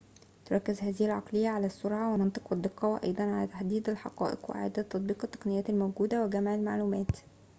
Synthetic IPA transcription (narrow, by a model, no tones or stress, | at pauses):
t̪oɾɑkːezhæːzɪhilʕɑ̰qlejːæʕalæsːoɾʕɑwemɑnt̪ˤɨqwed̪ːeqːɑːwæʔɑ̰jd̪ˤɑnʕalæːt̪aħd̪iːd̪ælħɑ̰qɑ̰ːʔeqweʔʕa̰ːd̪æt̪ːɑt̪ˤbiːqɑt̪ːɑ̥qnɪjæːt̪ælmowɡuːd̪æweɡæmaʕɪlmaʕluːmæːt̪